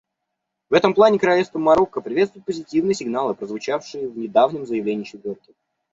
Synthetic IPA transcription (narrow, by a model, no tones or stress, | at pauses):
vɛt̪əmplˠanʲɪkəɾɐlʲest̪vəmːɐɾo̞kːəpɾʲɪvet̪st̪vʊɪt̪pəzʲɪtʲivnɨjəsʲɪɡnalˠɨpɾəzvʊt͡ɕafʂɨjɪvnʲɪd̪avnʲɪmzəjɪvlʲenʲɪːt͡ɕɪt̪vʲo̞rkʲɪ